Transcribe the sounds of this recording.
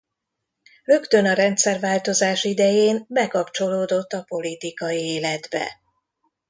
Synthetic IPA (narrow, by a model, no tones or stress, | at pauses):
rø̞kt̪ø̞nɒɾɛnt̪sɛrvaːlt̪o̞zaːʃid̪ɛjeːnbɛkɒpt͡ʃo̞loːd̪o̞t̪ːɒpo̞lit̪ikɒjieːlɛd̪bɛ̰